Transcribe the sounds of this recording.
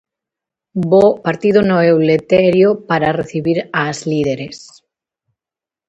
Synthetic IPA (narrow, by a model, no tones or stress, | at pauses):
bopaɾt̪iðonoewlet̪ɛɾjopaɾareθiβiɾazliðeɾes